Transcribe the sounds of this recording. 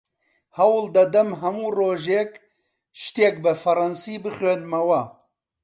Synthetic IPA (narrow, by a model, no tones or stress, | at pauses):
hɐwld̪ɐd̪ɐmɦɐmuːroːʒek | ʃt̪eːk̚bɨfɐɾɑnsiːbɨχeːnmɐwɐ